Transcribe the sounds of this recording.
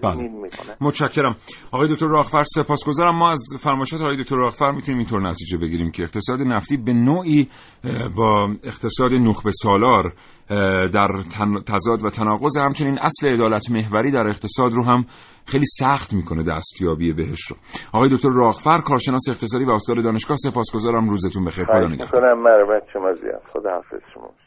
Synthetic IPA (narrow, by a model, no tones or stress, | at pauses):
b̥æːlemot̪ʃæcʰːe̞ɾæmɒɣɒːjeo̞kʲt̪orɒːɣfæɾse̞pɒːsɡozɒːɾæmːɒːæzfæɾmɒːjeʃɒːeɒːjdok̚ʰt̪oɾːɒːɣfæɾmiːt̪ʰuniːmiːnt̪oɾenæt̪ʰiːd͡ʒe̞be̞ɟiɾiːmcʰe̞ːqt̪ʰe̞sɒːd̪e̞næft̪iːbe̞noːʔiː | bɒːeqt̪ʰe̞sɒːd̪enoxbe̞sɒːlɒːɾ | d̪æɾt̪ʰt̪ʰæzɒːd̪væt̪ʰænɒːɣo̞zehæmt͡ʃʰe̞niːnʔæsle̞ːd̪ɒːlæt̪ʰme̞ɦvæɾiːd̪æɾe̞qt̪ʰe̞sɒːd̪roːɦæm | xejliːsæxt̪miːkʰoned̪æ̰st̪jɒːbie̞beɦeʃtro̰ | ʔɒːɣɒːjeok̚ʰʲt̪oɾːɒːɣfæɾkʰɒːɾʃe̞nɒːseːqt̪e̞sɒːd̪iːvæɔst̪ɒːɾeɒːneʃɡɒːhse̞pɒːsɡo̞zɒːɾæmruːzet̪unbe̞xejɾpod̪ːneɡæ̰konæmːæɾebætt͡ʃʰːemæzḭæ̰sxod̪ɑæfḛsʃomɒ̰